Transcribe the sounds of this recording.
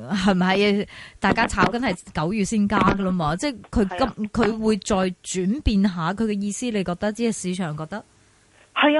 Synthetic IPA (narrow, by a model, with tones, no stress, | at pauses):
ɦɐ˨jm̩mɐ˨˧jt̪aː˨jkaː˥t͡sʰaː˨˥wkɐ˥nhɐ˨˩jkɐ˨˥wjyː˨t̚siː˥nkaː˥ɡə˧lə˥maː˧t͡sɛː˥˩kʰɵ˨˧ɥkɐ˥mkʰɵ˨˧ɥwuː˨˧jt͡sɔː˧jt͡ʃyː˨˥npiː˧nɦaː˨˧kʰɵ˨˧ɥkɛ˧jiː˧siː˥le˨˧jkɔː˧k̚t̪ɐ˥k̚t͡si˨˥hɐ˨jsiː˨˧t͡ʃʰœː˨˩ŋkɔː˧k̚t̪ɐ˥k̚ | hɐ˨˧j